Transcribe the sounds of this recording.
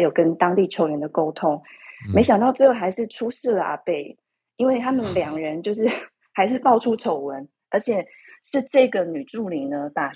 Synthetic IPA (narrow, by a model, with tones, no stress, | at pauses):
jo˨˩kə˦nt̪ɑ˥ŋt̪i˥˩t͡ɕʰjo˧˥ʊɥɛ˧˥nd̪ə˨ko˥ʊt̪ʰʊ˥ŋme˧˥ɪɕ̬jɑ˨˩ŋt̪ɑ˥˧ʊʈ͡ʂɤ˥˩ɡə˩xa˧˥ɪʂɻ̩˥˩ʈ͡ʂʰu˥ʂɻ̩˥˩lə˩ʔa̰˨˩pe˥˩ɪ | i˥nwe˥˩ɪt̪ʰa˥mə˨nljɑ˨˩ŋɻə˧˦nt͡ɕjo˥˧ʊʂɻ̩˥˩ | xa˧˥ɪʂ̬ɻ̩˥˧pɑ˥˩ʊʈ͡ʂʰu˥ʈ͡ʂʰo˨˥ʊwə˦n | ə˞˧˥t͡ɕʰjɛ˨˩ | ʂɻ̩˥˧ʈ͡ʂɤ˥˩ɡə˩ny˨˩ʈ͡ʂu˥˩li˨˩ŋnə˦t̪a˨˩